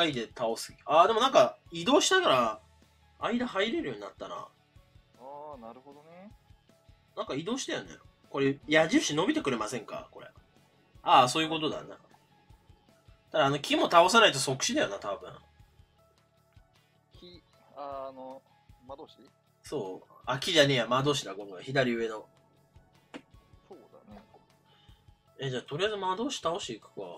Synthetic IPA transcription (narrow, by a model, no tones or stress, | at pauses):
aid̪e̞t̪ʰao̞sɨaːd̪e̞mo̞nãŋkaid̪o̞ːɕinaɡaɾa | aid̪aɦaiɾe̞ɾjo̞ɲ̟ina̰t̪ːaɾa̰ | aːnaɾɯ̟ɦod̪one | nãŋkaid̪o̞ːɕi̥t̪ajanḛ | ko̞ɾe̞jaʑɨːɕino̞bʲit̪e̞kɯ̟ɾe̞masẽ̞ŋka̰ko̞ɾḛ | aso̞ːjɯ̟ko̞t̪od̪a̰nḛ | d̪̥ad̪aːno̞kʲʰimo̞t̪ao̞s̬anait̪o̞so̞kɯ̟̥ɕid̪ajonat̪abɯ̟̰̃ɴ | kʲi | ano | mad̪oɕi | so̞ːakʲiʑane̞ːjamad̪o̞ːɕ̬id̪akõ̞ŋɡaçid̪aɾʲiɯ̟e̞no̞ | soːd̪ane | ed͡ʑaːt̪o̞ɾʲijazɨmad̪o̞ːɕi̥t̪ao̞ɕiːkɯ̟̥ka̰